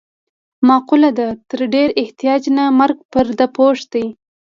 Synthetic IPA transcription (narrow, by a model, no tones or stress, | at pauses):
mɑqulad̪at̪əɾɖeɾɪht̪ijɑd͡ʒnamaɾɡ̚pəɾd̪apoʂd̪̥aj